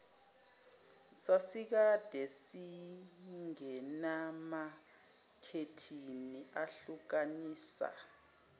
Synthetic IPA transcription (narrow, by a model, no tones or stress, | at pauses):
sasik̬ad̥ʱɛsi | ŋɛnama | kʰetʰiniaɬuk̬aniːsa̰